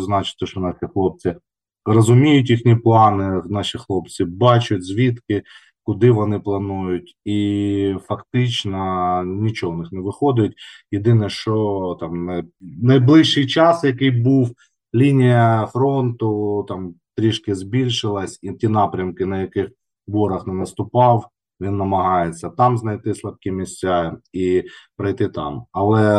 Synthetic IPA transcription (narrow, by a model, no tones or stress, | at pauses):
znɑt͡ʃɪ̥t̪ːɛʃɔnɑsʲixlˠɔp̚t͡sʲɪ | rɐzʊmʲijʊtʲixnʲiplˠɑnɪnɑʃixlˠɔpt͡sʲibɑt͡ʃʊtʲzʲʋʲit̪kɪ | kʊd̪ɪʋɔnɪplˠɐnujʊtʲifɐkt̪ɪt͡ʃnɐnʲit͡ʃɔɦɔnɪxnɛʋɪxɔd̪ɪjʊtʲjɪd̪ɪnɛʃt͡ʃɔt̪ɑmnnɐjblˠɪʃːɪjt͡ʃɑsjɐkɪjbuw | lʲinʲijɐfɾont̪ʊt̪ɑmt̪ɾʲiʃkʲɪzʲbʲilʲʃɪlˠɐsʲitʲinɑpɾʲɐmkɪnɐjɐkɪx | bɔɾɐxnɛnɐst̪ʊpɑw | ʋʲinːɐmɐɦɑjet͡sʲːɐt̪ɑmznɐjt̪ɪslˠɐb̚kʲimʲɪsʲt͡sʲaipɾɐjt̪ɪt̪ɑ̰mɐlˠɛ